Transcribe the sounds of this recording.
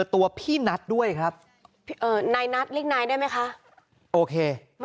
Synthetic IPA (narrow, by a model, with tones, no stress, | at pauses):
t̪ːu˧ɐpʰiː˥˩na˦˥t̪̚du˥˩əjkʰɾa˦˥p̚ | pʔɤː˧˩naː˧jna˦˥t̪̚li˥˩əŋ̚naː˧jdaː˥˩jma˦˥jkʰa˦˥ʔ | ʔoː˧kʰeː˧ | m